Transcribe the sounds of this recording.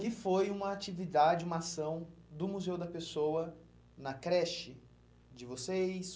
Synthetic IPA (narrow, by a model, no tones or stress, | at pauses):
kɪfojũmɐat͡ʃivid̪ad͡ʒɪũmɐasɐ̃w̃d̪ʊmuzewd̪ɐpesowɐ | nɐkɾɛʃɪ | d͡ʒɪvosejs